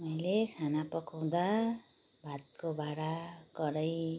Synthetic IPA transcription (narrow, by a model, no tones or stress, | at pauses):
mʌjlekʰanapʌkaw̃d̪a | bʱat̪̚kobaɾaɡʌɾʌj